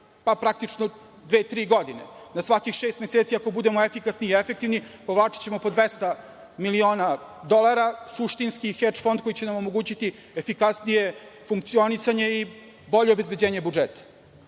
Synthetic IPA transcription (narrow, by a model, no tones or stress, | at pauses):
papɾak̚t̪it͡ʂno | d̪ʋe̞ːt̪ɾiːɡo̞d̪inḛnasʋakixʃeːst̪meseːt̪siako̞bud̪e̞moefikasniːefek̚t̪iʋnipoʋlˠaːt͡ʃi̥t͡ɕe̞mo̞po̞d̪ʋest̪a | milioːnad̪o̞lˠaɾasuʂt̪inskixet͡ʂfond̪̚ko̞jit͡ɕenamomo̞ɡuːt͡ɕit̪i | efikasnije̞fuŋk̚t̪sio̞nisaɲe̞i | bo̞ʎeobe̞zbe̞d͡ʑeːɲe̞bud͡ʒet̪ḁ